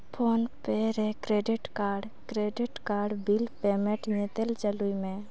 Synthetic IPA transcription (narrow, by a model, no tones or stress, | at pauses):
pʰoːnpeɾẽkɾeːɖɪʈkaːɾɖ | kɾeːɖɪʈkaːɾɖbilpemẽʈɲet̪elt͡ʃəluimẽ